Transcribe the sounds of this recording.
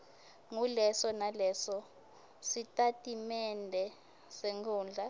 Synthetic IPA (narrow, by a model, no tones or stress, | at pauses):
ŋulɛsɔnalɛsɔ | sitʼatʼimɛndʱɛ | seŋkʰuːnd͡ɮʱa